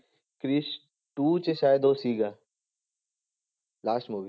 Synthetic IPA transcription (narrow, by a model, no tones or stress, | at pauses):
kɾis | ʈuːt͡ʃeʃaːjed̪oːsiːɡa | laːsʈmuːʋi